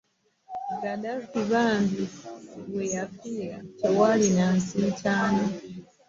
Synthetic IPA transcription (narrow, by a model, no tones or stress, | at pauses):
ɡadakiβaːmdiβwejafiːɾacewalinaːnsicaːno